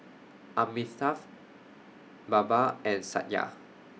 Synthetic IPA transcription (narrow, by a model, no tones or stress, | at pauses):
ʔamisaf | babaɛ̃nsa̰t̚ja̰